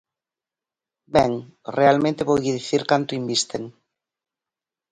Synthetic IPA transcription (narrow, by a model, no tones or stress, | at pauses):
bɛŋrealmẽnt̪eβojɣiðiθiɾkant̪ʊimbist̪eŋ